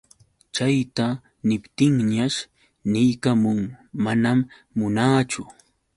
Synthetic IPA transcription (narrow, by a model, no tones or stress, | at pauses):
t͡ʃajt̪a | nɪpt̪ɪŋɲaʃ | nɪjkamʊŋmanamː | ʊnaːt͡ʃʊ